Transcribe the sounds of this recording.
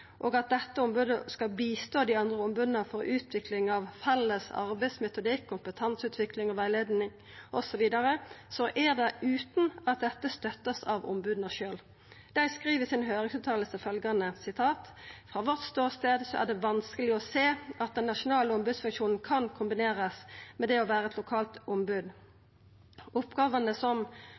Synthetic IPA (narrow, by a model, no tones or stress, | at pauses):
ʔoːɡɑt̪̚d̪ɛt̪ːəɔmbʉːd̪əskɑlbiːst̪oːd̪ɪɑnd̪ʁəɔmbʉːd̪nəfɔɾʉːt̪ʰʋɪklɪŋɑʋfɛlːəsɑ̰ɾbæɪsmɛt̪ʊd̪ikʰːʊmpət̪ʰɑnsʉːt̪ʰʋɪklɪŋɔʋæɪleːd̪nɪŋ | ʔɔsɔʋiːd̪ɑɾəsɔʔæʁd̪ɛʔʉːt̪n̩ɑt̪̚d̪ɛt̪ːəst̪œt̪ːəsɑʋɔ̰mbʉːd̪n̩əʃøːl | d̪̥æɪskʁiːʋəsɪnhøːʁɪŋsʉːt̪ʰɑːləsəfœlɡɑnəsɪt̪ʰɑːt̪fʁɑːʋɔʁt̪st̪oːʁst̪eːd̪sɔʔæ̰ʁd̪ɛʋɑnskəlɪɔseːɑt̪̚d̪ɛnːɑʂʊnɑːləɔmbʉd̪sfʉŋkʃuːnn̩kʰɑnkʰʊmbɪneːʁəsmɛd̪ɛɔʋæːʁəɛt̪lʊkʰɑːlt̪ɔmbʉd̪ | ʊpɡɑːʋənəsɔm